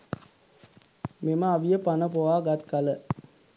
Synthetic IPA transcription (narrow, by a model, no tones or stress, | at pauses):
meməaʋijəpanəpoʋaːɡat̪kalə